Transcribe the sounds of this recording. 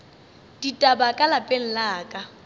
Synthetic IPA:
d̥itʼabakʼalapʼeŋ̩laːkʼa

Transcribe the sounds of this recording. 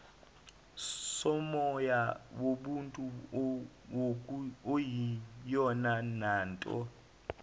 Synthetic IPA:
sɔmɔjawoɓuntʼu | ojijɔnanaːntʼɔ̰

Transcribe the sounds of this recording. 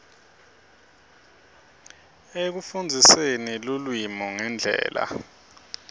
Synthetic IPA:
ek̬ufund͡zʱisenilulwimɔŋɛnd͡ɮʱɛ̰ːla̰

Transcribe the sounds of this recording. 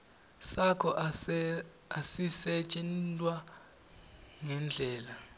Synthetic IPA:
sakʰɔ | asisɛt͡ʃʼɛnlʼwa | ŋɛnd͡ɮʱɛːla

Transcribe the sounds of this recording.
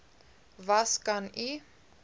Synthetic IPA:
vaskani

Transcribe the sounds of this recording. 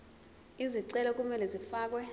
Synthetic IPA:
iziǀɛlɔk̬ʼumɛlɛzifaːk̬wɛ

